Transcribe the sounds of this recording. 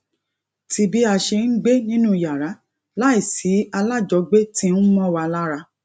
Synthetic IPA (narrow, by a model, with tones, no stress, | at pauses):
ti˧bi˦a˧˨ʃe˧ŋ̩˦ɡ͡be˦nĩ˦nũ˦˨ja˨ɾa˨˦ | la˦i˦˨si˨˦a˧la˦˨d͡ʒɔ˨˦ɡ͡be˦tĩ˦ũ˦mɔ̃˦˨wa˧la˦ɾa˧